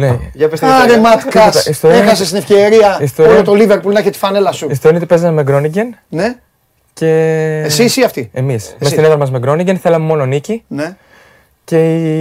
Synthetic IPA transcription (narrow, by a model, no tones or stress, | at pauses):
neʝɐpest̪aɾemɐt̪kɐsist̪oɾexɐsest̪ine̞fceɾiɐist̪oɾilot̪oliveɾpulnɐçet̪i̥fɐnelɐsuist̪oɾinet̪ipezɐmemeɡɾo̞niɟenne | ce̞ssisiɐft̪iemismesineðɾɐmɐzmeɡɾo̞niɲɟenθe̞lɐmemo̞nonicine | ce̞i